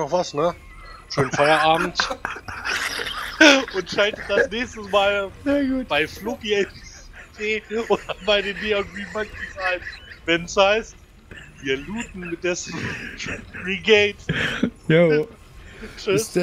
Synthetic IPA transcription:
ɔχv̥asnə | ʃøːnfaɪɐʔaːbm̩t | ʔʊntʃaltət̚d̥asnɛːçstəsmaːlɡuːtb̥aɪflʊkie | deːoːdɐmaɪnideːʊntvimɛtisaɪtvɛnshaɪst̚ | viːɐluːtn̩mɪt̚d̥eɛs | ʁiɡeɪtjo | t͡ʃɪs

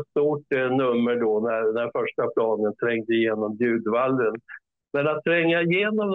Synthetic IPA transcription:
t̪st̪uːʈnɵmːəɖɔnæɾnæɾfœʂʈapʰlɑːɡənt̪ʰɾɛŋd̪əɪjeːnɔmd̪ʉ̟ːd̪valːən | mɛnat̪ʰːɾɛŋːaɪjeːnɔm

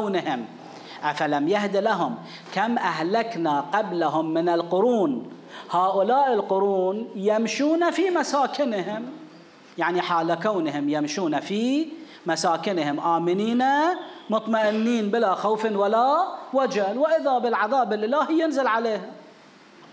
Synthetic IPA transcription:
wnɪhɪm | ʔafalamjahd̪ɪlaɦʊm | kamʔahlaknaqablaɦʊmːɪnɪlqʊɾuːn | haːʔʊlaːʔɪlqʊɾuːnjɪmʃuːnafimasaːkɪnɦɪm | jaʕniħaːlakawnhɪmjamʃuːnafi | masaːkɪnhɪmʔaːmɪniːnamʊt̪ˤmaʔɪnːiːnbɪlaxawfɪnwalawad͡ʒalwɪʔɪðabɪlʕɑðɑːbɪlʔɪlaːhjɪnzɪlʕaleːhʊm

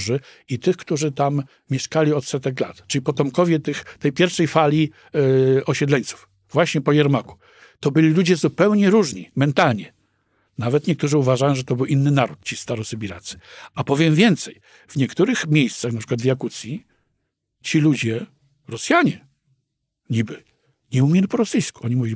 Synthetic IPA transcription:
ʐɘ | it̪ɘxkt̪uʐɘt̪am | mʲjɛʂkalʲiɔt̪sɛt̪ɛkla̰t̪t͡ʂɘlʲipɔt̪ɔmkɔvʲjɛt̪ɘxt̪ɛjpʲjɛɾfʂɛjfalʲi | ɔɕɛd̪lɛɲʲt̪su̥f | vwaɕɲɛpɔjɛɾmaku̥ | t̪ɔbɘlʲilud͡ʑɛzupɛwɲɛɾuʐɲimɛnt̪alɲɛ | navɛt̪ɲɛk̚t̪uʐɘuvaʐajɔ̃ʐɛt̪ɔbɘwʔinːɘnaɾut̪̚t͡ɕist̪aɾɔsɨbʲiɾat̪sɘ̥apɔvʲjɛmvʲjɛnt̪sɛj | vɲɛkt̪uɾɘxmʲjejst̪saxnapʂɘkwad̪vʲjakut̪sʲji | t͡ɕilud͡ʑɛ | ɾɔsʲjaɲɛ | ɲibɘ | ɲɛumʲjelʲipɔɾɔsɘjskuɔɲimuvʲilʲi

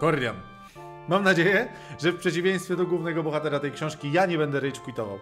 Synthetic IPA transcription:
kɔɾlʲja̰m | mamnad͡ʑejɛ | ʐɛfpʂɛt͡ɕivʲjẽj̃st̪fʲjɛd̪ɔɡwuvnɛɡɔbɔxat̪ɛɾat̪ɛjkɕɔ̃ʂkʲijaɲɛbɛnd̪ɛɾɛjt͡ɕkuit̪ɔva̰w

